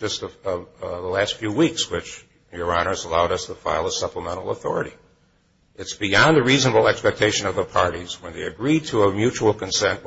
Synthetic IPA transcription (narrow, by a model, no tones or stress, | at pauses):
d͡ʒʌstʌðəlæstfjʉwikswɪt͡ʃ | jə˞ɑnə˞zəlaʊɾʌstʰəfa̰ɪlˠəsʌpləmɛ̃ɾ̃l̩ˠəθɔ̰ɹɨɾi | ɨtsb̥iɑ̃nðɨɹiznəbl̩ˠɛkspɛk̚tʰeɪʃɨ̃nʌvðəpʰɑɹɾiz̥wə̃nðeɪɨɡɹid̚tʰəəmjʉt͡ʃul̩ˠkʰɨ̃n̩sɛ̃nʔ